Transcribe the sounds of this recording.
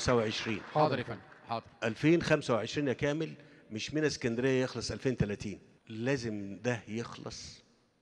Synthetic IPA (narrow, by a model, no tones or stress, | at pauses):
sæweʕeʃɾiːnɑɑʔælfeːnxæmsæweʕeʃɾiːnækæːmelmeʃminæse̥kænd̪ɾejːæjexlɑsˤʔælfeːnt̪ælæːt̪iːn | læːzemd̪æjexlɑ̰sˤ